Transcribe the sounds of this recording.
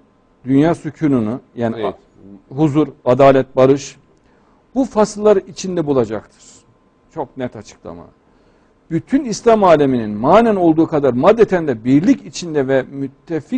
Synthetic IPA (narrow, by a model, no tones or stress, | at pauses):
d̪ynjaːsucʰununujaːni | ɦuzuɾad̪aːlʲɛt̪̚baɾɯʃ | b̥ufasllːˠaɾit͡ʃʰind̪ɛbulˠad͡ʒakt̪ʰɯ̥ɾ̥ | t͡ʃʰo̞knɛt̪ʰat͡ʃʰɯ̥klˠa̰ma̰ | b̥yt̪ʰynislʲamaːlʲemininmaːnæno̞lˠd̪uːkʰad̪aɾmad̪ːet̪ʰænd̪ɛbiɾlʲicit͡ʃʰind̪ɛvɛmyt̪ʰːefi